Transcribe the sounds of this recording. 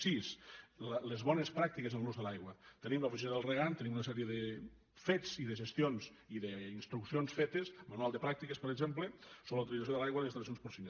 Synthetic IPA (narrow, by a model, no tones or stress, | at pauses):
sisllezβɔnespɾak̚t̪ikezəlˠluzðəlajɣwət̪ənimləufizinəðəlˠreɣant̪ənimunəsɛɾieðe | fet͡siðəʒəst̪ionz | iðəinst̪ɾuksionsfet̪esmanualˠd̪əpɾak̚t̪ikespəɾeɡzempləsoləwt̪ilizasjoəlajɣwəlesisls̬onspoɾsin